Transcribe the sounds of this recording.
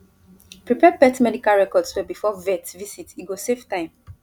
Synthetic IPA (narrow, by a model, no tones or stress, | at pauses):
pɹipɛpɛtmɛdikalɹɛkɔdswɛbifɔvɛtvisitiɡoseftãɪ̃m